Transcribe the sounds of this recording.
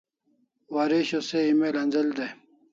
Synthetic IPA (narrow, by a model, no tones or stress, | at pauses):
waɾeɕoseimelɐnzɐld̪e